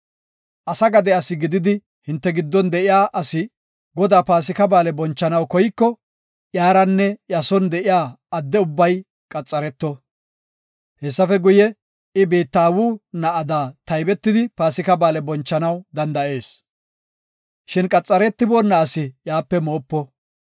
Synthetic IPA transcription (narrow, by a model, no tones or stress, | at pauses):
ʔɐsɐɡɐd̪ɛɐsɪɡɪd̪ɪd̪ɪ | hɪnt̪ːɛɡɪd̪ːɔnd̪ɛʔɪjaːʔɐsɪ | ɡɔd̪aːpaːs̬ɪkɐbaːlɛbɔnt͡ʃːɐnɐwkɔjkːɔ | ʔjaːɾɐnːɛjɐsɔnd̪ɛʔɪjaːɐd̪ːɛʊbːɐj | kʼɐt͡sʼːɐɾɛt̪ːɔ | hɛsːɐfɛɡʊjɛ | ɪbiːt̪ːaːwuːnɐʔɐd̪aːt̪ɐjbɛt̪ːɪd̪ɪpaːsɪkɐbaːlɛbɔnt͡ʃːɐnɐwd̪ɐnd̪ɐʔe̞ːs | ʃɪnkʼɐt͡sʼːɐɾɛt̪ːɪboːnːɐɐsɪjaːpːɛmo̞ːpːɔ